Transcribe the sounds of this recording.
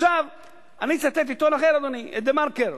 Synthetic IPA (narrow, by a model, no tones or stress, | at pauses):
ʃav | anit͡sat̪et̪it̪onaχeɾad̪oniʔet̪̚d̪emaɾkeɾ